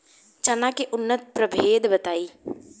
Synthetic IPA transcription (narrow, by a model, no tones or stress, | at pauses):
t͡ʃanãkeʔʊnːət̪̚pɾəbʱeːd̪bət̪aːiː